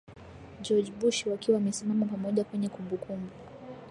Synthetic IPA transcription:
d͡ʒɔd͡ʒbuʃiwakiwamɛsimamapamɔʄakwɛɲɛkumbukʰumbuu

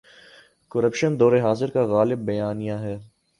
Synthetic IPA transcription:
kəɾəpʃənd̪ɔːɾeɦaːzɪɾkaɣaːlɪbːɐjaːnijaɦɛː

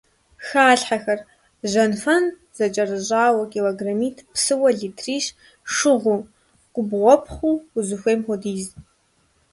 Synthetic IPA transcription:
xaːɬħaxɐr | ʒɐnfɐn | z̥ɐt͡ʃʼɐrɨʑʼaːwɐkʼiloɡramiːtʰpsɨwɐɮiːtʰriːɕ | ʂɨʁʷuː | ɡ̥ʷʼʊbʁʷɔpχʷuːʊzɨxʷeːmχʊdiːz

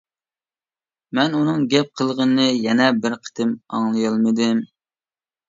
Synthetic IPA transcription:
mɛnunɨŋɡʲɛp̚qʰəlˠʁənɨnɨjɛnɛbɪɾqʰə̥t̪ʰɪmɑ̰ŋlˠɨjɑlˠmɨd̪ɪm

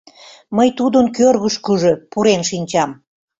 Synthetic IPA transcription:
məjt̪ud̪ənkørɣəʃkəʒø̽puɾenʃinʲt͡ɕɑm

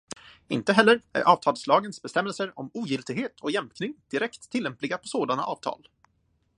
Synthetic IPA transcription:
ɪ̰nt̪əɦɛlːəɾæ̰ɾʔɑːvt̪ʰɑːlslɑːɡənsbɛst̪ɛmːɛlsəɾɔmuːjʏlt̪ɪɡɦeːt̪ʰɔjɛmpnɪŋd̪̥ɪɾɛkt̪ʰːɪlːɛmplɪɡapʰɔsoːd̪ana̰ʔɑːv̥t̪ʰɑ̰ːl

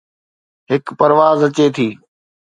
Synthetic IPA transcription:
ɦɪkpɐɾʋaːzɐt͡ɕeːt̪ʰiː

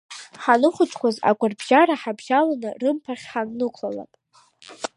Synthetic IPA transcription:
ħanɨχʷʊt͡ʃʼʰkʷʰaza̰ɡʷarbʒaɾaħabʒalanɨrɨmpʰaχʲħannɨkʷʰlala̰pʼ

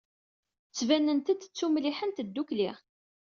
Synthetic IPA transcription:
t͡sːvænːənt̪æd̪ət͡sːumliħənt̪əd̪ːukliʁ

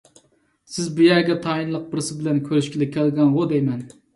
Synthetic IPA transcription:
sɪzbujæɾɡʲɛt̪ʰɑinlˠəq̚bɪɾsɪbɪlɛnkʲʰøɾyʃkʲilɪkʲʰælɡʲɛnʁod̪ɛjmɛn

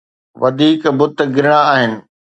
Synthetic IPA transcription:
ʋɐd̪ʱiːkbʊt̪̆ɡɪɾɪɽ̃aaːɦɪnɪ̆

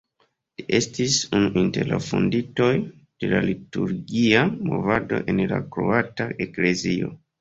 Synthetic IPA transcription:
liʔe̞stisunuʔinte̞ɾla̰fondito̞j | d̥elalituɾɡiamo̞̰vado̞̰ʔe̞nla̰kɾo̰ataʔekle̞zio̞

